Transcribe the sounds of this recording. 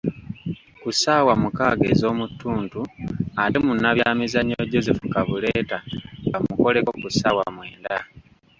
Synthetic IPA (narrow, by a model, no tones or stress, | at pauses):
kusaːwamukaːɡe̞̰ːzo̞ːmutʰːuːntuatemunːaβjaːmizaɲoɟo̞zefukaβule̞ːtaŋɡamuko̞leko̞kusaːwa̰mwe̞ːnda